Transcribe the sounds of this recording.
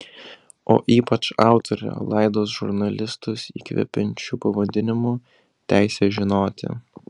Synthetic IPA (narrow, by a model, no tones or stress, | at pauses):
o̰ːʔiːpɐt͡ʃɑˑʊt̪ʰɔɾʲo̰lˠɐɪd̪oːs̬ʒʊɾnɐlʲɪst̪ʊsḭːkʋʲɛ̰pʲɛnʲt͡ʃʲuːpɐʋɐd̪ʲɪnʲɪmu | t̪ʲæˑɪsʲeːʒʲɪnoːt̪ʲɪ̰